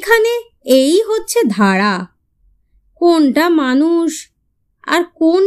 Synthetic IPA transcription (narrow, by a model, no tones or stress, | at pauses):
kʰane | ejɦotːɕʰed̪ʱaɾa | konʈamanuʃ | a̰ɾkon